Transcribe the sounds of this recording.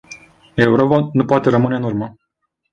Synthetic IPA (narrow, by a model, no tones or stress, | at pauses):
e̞uɾo̞panupoat̪e̞ɾəmɨneɨnurmə